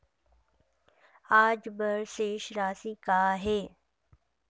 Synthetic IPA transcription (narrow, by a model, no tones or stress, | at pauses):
aːd͡ʒbəɾseːʃɾaːsiːkaːɦeː